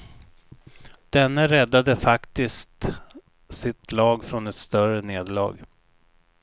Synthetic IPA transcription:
d̪̥ɛnːaɾɛd̪ːad̪əfakt̪ɪskt̪ | sɪt̪lɑːɡfɾɔnɛt̪st̪œrəneːd̪lɑ̰ːɡ

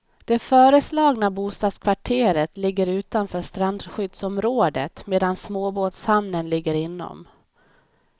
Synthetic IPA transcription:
d̪̥ɛfœːɾəslɑːɡnabuːst̪ɑːd̪skʰvaʈʰeːɾət̪lɪɡːəɾʉ̟ːt̪anfœːʂt̪ɾand̪ɧʏd̪sɔmɾoːd̪ə̰t̪meːd̪ansmoːboːt̪shamnənlɪɡːəɾɪnːɔ̰m

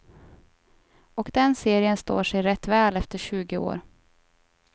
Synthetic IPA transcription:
ɔkd̪ɛnseːɾɪənst̪o̰ːʂɛjɾɛt̪ːvɛːlɛft̪əɕʉ̟ːɡɪo̰ːɾ

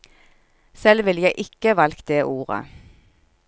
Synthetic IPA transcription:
sɛlʋɪljæɪʔɪkəʋɑlkd̪eːʔuːʁə̰

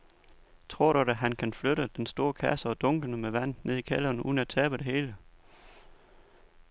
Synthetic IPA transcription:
t͡sʰʁo̝ɐ̰ɾudɾæɦænkʰænfløɾəd̥ensd̥o̝ːɐkʰæsəɒ̽d̥ɔ̽ŋɡ̥ənəmeʋæn̰̥ne̝ð̞̰ˠikʰælɐnṵðˠn̩æt͡sʰɛːb̥əd̥e̝he̝ːlə

